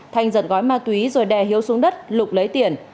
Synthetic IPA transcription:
t̪ʰa˨˩jŋzə̰˧˨nɣɔ˨˦jmaː˧t̪wi˨˦zo˨˩jɗɛ˨˩hi˨˦əwsu˨˦əŋɗə˦˥t̚lʊ˨˩k͡p̚lə˨˦jt̪i˨˩ən

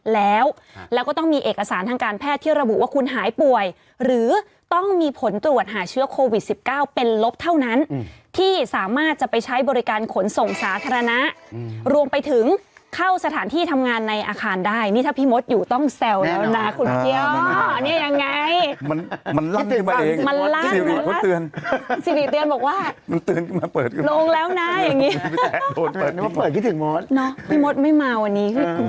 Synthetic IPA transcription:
lɛː˦˥w | lɛ˦˥wkɔː˥˩t̪ɔ˥˩ŋmiː˧ʔeː˨˩ka˧saː˩˦nt̪ʰaː˧ŋkaː˧npʰɛː˥˩t̪ʰːiː˥˩ɾa˧bu˨˩ʔwaː˥˩kʰu˧nɦaː˩˦jpu˨˩əj | ɾɯː˩˦ | t̪ɔ˥˩ŋmiː˧pʰo˩˦nt̪ɾu˨˩ət̪̚ɦaː˩˦t͡ɕʰɯ˦˥əkʰoː˧wi˨˩t̪̚si˨˩p̚kaː˥˩wpe˧nlo˦˥p̚t̪ʰa˥˩wna˦˥nt̪ʰiː˥˩saː˩˦maː˥˩t̪̚t͡ɕa˨˩pa˧jt͡ɕʰa˦˥jbɔː˧ɾi˦˥kaː˧nkʰo˩˦nso˨˩ŋsaː˩˦t̪ʰaː˧ɾa˧na˦˥ʔɾu˧əmpa˧jt̪ʰɯ˩˦ŋkʰa˥˩wsa˧t̪ʰaː˩˦nt̪ʰiː˥˩t̪ʰa˧mŋaː˧nːa˧jʔa̰ː˧kʰaː˧ndaː˥˩jniː˥˩t̪ʰaː˥˩pʰiː˦˥mo˦˥t̪̚juː˨˩t̪ɔ˥˩ŋsɛ˧wɛ˦˥na˦˥kʰu˧nki˧˥əni˥˩ɐja˧ŋːa˧jma˧nma˧nla˦˥˩mkʰɯ˥˩nmaː˧ʔeː˧ŋma˧nla˥si˨˩wi˨˩kʰo˦˥ɯ˧ənsi˨˧˦wi˨˩t̪ɯ˧ənbɔː˨˩k̚waː˥˩ma˧nt̪ɯ˧ənkʰɯ˥˩ma˧pɤː˨˩t̪̚kloː˧ŋlɛː˦˥wna˦˥ja˨˩ŋːiː˦˥˦d̪oː˧nː˨˩tpɤː˨˩t̚kʰɯ˥˩t̪ʰɯ˩˦mo˦˥t̪̚nɔ˦˥pʰiː˦˥˩mo˦˥t̪̚ma˥˩jmaː˧wa˧nːiː˦˥kʰɯ˥˩˧

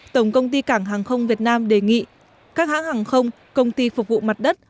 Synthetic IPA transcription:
t̪ə˧˩wŋ͡mkə˧wŋ͡mt̪i˧kaː˧˩ŋɦaː˨˩ŋxə˧wŋ͡mvi˨˩ət̚naː˧mɗe˧˩ŋḭ˧˨ | kaː˦˥k̚ha̰ː˧˥haː˨˩ŋxə˧wŋ͡m | kə˧wŋ͡mt̪i˧fʊ˨˩k͡p̚vṵ˧˨ma˨˩t̚ɗə˦˥t̚

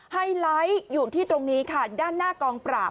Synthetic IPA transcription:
ha˧jla˦˥jjuː˨˩t̪ʰiː˥˩t̪ɾo˧ŋniː˦˥kʰa˥˩daː˥˩nːaː˥˩kɔː˧ŋpɾaː˨˩p̚

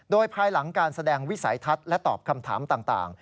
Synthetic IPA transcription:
doː˧jpʰaː˧jla˩˦ŋkaː˧nsa˧dɛː˧ŋwi˦˥sa˩˦jt̪ʰa˦˥t̪̚lɛ˦˥t̪ɔː˨˩p̚kʰa˧mt̪ʰa̰ː˩˦mt̪aː˨˩ŋt̪a̰ː˨˩ŋ

